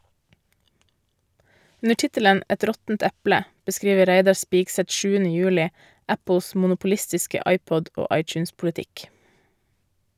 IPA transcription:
ˈʉnə ˈʈɪtələn ˈʔɛt ˈɾɔtn̩t ˈɛplə bəˈskɾiːʋə ˈɾæɪdɑ ˈspiːɡsɛt ˈʃʉːənə ˈjʉːlɪ ˈæpl̩s mʊnʊpʊˈlɪstɪskə ˈʔɑɪˌpɔd ˈoː ˈʔɑɪˌt͡ʃʉːnspʊlɪˌtɪk

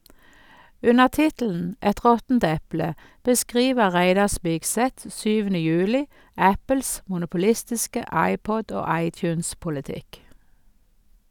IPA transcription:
ˈʉnəʁ ˈtɪtl̩n̩ ˈɛt ˈʁɔtn̩t ˈɛplə bəˈskʁiːʋə ˈʁæɪdɑ ˈspɪɡˌsɛt ˈsyːʋənə ˈjʉːlɪ ˈæpəls mʊnʊpʊˈlɪstɪskə ˈɑɪˌpɔd ˈoː ˈɑɪˌtjʉːnspʊləˌtɪk

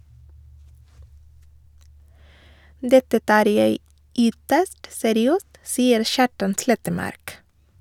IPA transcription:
ˈdɛtə ˈtɑːɾ ˈjeɪ ˈʏtəst sɛɾɪˈøːst ˈsiːəɾ ˈʃɑːʈɑn ˈslɛtəˌmɑɾk

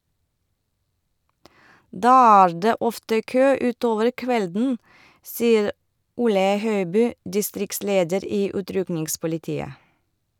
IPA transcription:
ˈdɑː ˈæːɹ ˈdeː ˈɔftə ˈkøː ˈʉːˌtoːʋəɾ ˈkʋɛldn̩ ˈsiːəɾ ˈʊlə ˈhœʏbyː dɪˈstɾɪkˌsleːdəɾ ˈiː ˈʉːtɾʉknɪŋspʊlɪˌtiːə

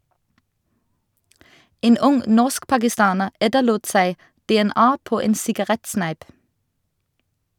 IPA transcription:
ˈeːn ˈʊŋ ˈnɔʁskpɑɡɪˌstɑːnəʁ ˈɛtəluːt ˈsæɪ dɛɛˈnɑː ˈpoː ˈeːn sɪɡɑˈʁɛtˌsnæɪp

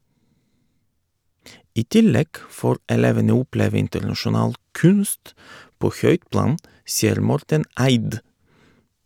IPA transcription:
ˈiː ˈtɪˌlɛɡ ˈfoːɾ ɛˈleːʋənə ˈʊˌpleːʋ ˈɪntəɾnɑʃʊˌnɑːl ˈkʉnst ˈpoː ˈçœʏt ˈplɑːn ˈsiːəɾ ˈmɔɾtən ˈæɪd

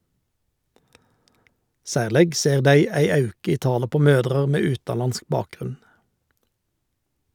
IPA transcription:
ˈsæːʁlɛɡ ˈseːʁ ˈdæɪ ˈæɪ ˈɑʉkə ˈiː ˈtɑːlə ˈpoː ˈmøːdʁəʁ ˈmeː ˈʉːtɑˌlɑnsk ˈbɑːkˌɡʁʉn

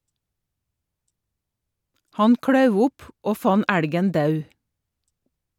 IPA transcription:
ˈhɑn ˈkɽɑʉʋ ˈʊp ˈoː ˈfɑn ˈæɽɡən ˈdɑʉ

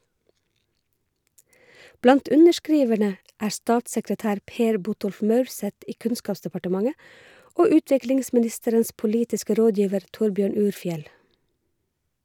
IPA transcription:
ˈblɑnt ˈʉnəʃˌkɹiːʋəɳə ˈʔæːɹ ˈstɑːtsəkɾəˌtæːɾ ˈpeːɹ ˈbʊtɔlf ˈmœʉɹˌsɛt ˈiː ˈkʉnskɑːpsdəpɑʈəˌmɑŋə ˈʔoː ˈʉːˌtʋɪklɪŋsmɪˌnɪstəɾəns pʊˈliːtɪskə ˈɾoːˌdjiːʋəɾ ˈtʊɹˌbjøːɳ ˈʉːɾˌfjɛl

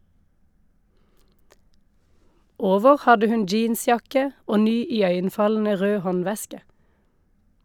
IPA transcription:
ˈoːʋəʁ ˈhɑdə ˈhʉn ˈd͡ʒiːnˌsjɑkə ˈoː ˈnyː ɪˈœʏənˌfɑln̩ə ˈʁøː ˈhɔnˌʋɛskə

